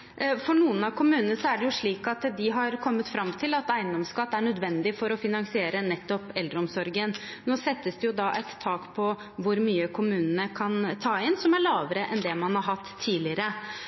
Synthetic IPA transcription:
fɔɳuːənɑʋkʊmʉːnənəʂɔæɖɛjʊʂɭiːkɑt̪d̪ɪɦɑɾkʰɔmːət̪fɾɑmːt̪ʰɪlɑt̪æɪənd̪ɔmskɑt̪ːæɳœd̪ʋɛnd̪ɪfɔɾɔfɪnɑŋsɪeːɾənɛt̪ːɔpɛld̪ɾəɔmsɔɾɡənnoːsɛt̪ːəsd̪ɛjʊd̪ɑʔɛt̪tʰːɑːkpʰɔ | ʋʊɾmyːəkʰʊmʉːnənəkʰɑnt̪ʰɑːɪnsɔmæɭɑːʋəɾəʔɛnd̪ɛmɑnhɑɾɦɑt̪ʰːiːlɪəɾə

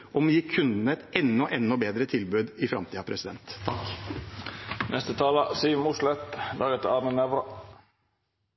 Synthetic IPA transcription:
ʔɔmjiːkʰʉnd̪n̩əɛt̪ɛnːɔʔɛnːɔbeːd̪ɾət̪ʰɪlbʉːd̪ɪfɾɑ̰mt̪ʰiːɑpʰɾɛsɪd̪ɛnt̪ʰːɑk | nʔɛst̪ət̪ʰɑːlɑsiːʋmuslɛt̪lɑːɡət̪ɑmənɛʋɾɑ

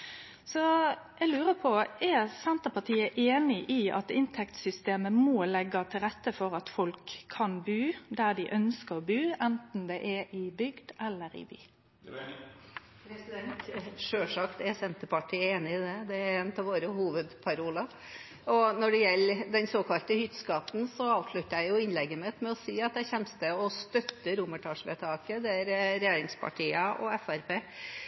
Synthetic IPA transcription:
sɔʔɛɪlʉːɾəpʰɔɛɾsɛnt̪əpɑʈʰiːəʔeːnɪʔiʔɑ̰t̪ɪnt̪ʰɛkt̪sʏst̪eːməmolɛɡɑt̪ʰɪlɾɛt̪ːəfɔɾɑt̪fɔlkʰːɑnbʉːd̪æd̪ɪʔœnskəʁɔbʉːɛnt̪n̩d̪ɛʔɛʔɪbʏɡd̪̥ɛlːəɾɪ̰by̰ː | sd̪ɛnt̪ʂøːʂɑkt̪æɾsɛnt̪əpɑʈʰiːeːnɪɪd̪ɛd̪ɛæɾeːnt̪ʰɑʋoːɾəhuːʋəd̪pʰɑɾuːlə | ɔnɔɖɛjɛlːd̪ɛnsoːkʰɑlt̪əhʏt̪ːskɑt̪n̩sɔɑːʋʂɭʉt̪ːəɾæɪjʊɪnlɛɡːəmət̪mɛɔsiːɑt̪jæɪçɛnst̪əɔst̪œt̪ːəɾuməʈʰɑːʂʋeːt̪ʰɑːkəd̪ɛæɾɾɛjeːɾɪŋspʰɑ̰ʈʰiːəʔɔ̰ɛfæɾpeː

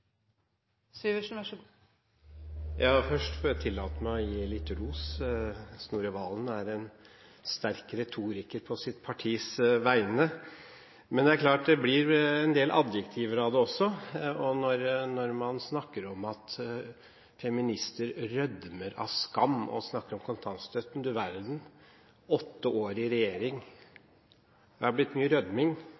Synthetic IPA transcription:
syʋəʂnʋæʂ | jʔɑːfœʂʈfɔɾjæt̪ʰɪlːɑːt̪əmæɪɔjiːlɪt̪ːɾuːs | snuːɾəʋɑːlnæɾɛn | st̪æɾkɾɛt̪ʰuːɾɪkəɾpʰɔsɪt̪pʰɑʈʰiːsʋæɪnə | mɛnd̪ɛæɾkʰlɑːʈ̚d̪ɛblɪɾɛnd̪eːlʔɑ̰d̪jəkt̪ʰiʋəɾɑd̪ɛɔsːɔɔnɔɾnɔɾmɑnsnɑkːəɾɔmɑt̪ | fɛmɪnɪst̪əɾɾœd̪məɾɑ̰ʋskɑmːɔ̰snɑkːəɾɔmkʰʊnt̪ʰɑnst̪œt̪ːʉnd̪əɾʋæɾd̪n̩ | ɔt̪ːəoːɾɪɾɛjeːɾɪŋ | ɑblɪt̪ːmyːəɾœd̪mɪŋ

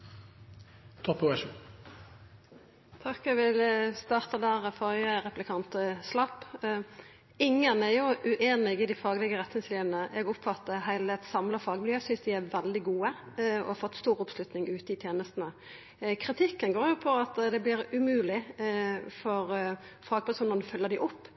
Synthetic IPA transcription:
t̪ʰɔpːɔɛʃu | t̪ʰɑkːɛʋɪləst̪ɑːʁt̪ɑd̪æːʁfɔʁjəʁɛplɪkʰɑnt̪əslɑpː | ɪŋːənɛɾjʊʔʉʔeːnɪɡɪd̪ɪfɑːɡəlɪɡəʁɛt̪ːnɪŋsliːʋənəʔɛɡʊpfɑt̪ːəɦæɪləɛt̪sɑmləfɑːɡəmɪljøːsʏnsd̪ɪæʋɛld̪ɪɡuːə | ɔ̰hfɔt̪ːst̪uːʁʊpslʉt̪nɪŋʉːt̪əɪt̪ʰjeːnəst̪n̩ə | kʰɾɪt̪ʰɪkːənɡoːɾjʊpʰɔɑt̪d̪ɛblɪɾʉmʉːlɪ | fɔʁ | fɑːɡ̚pʰɪsɔmnɔnəfœlːəʁd̪ɪʔʊpː

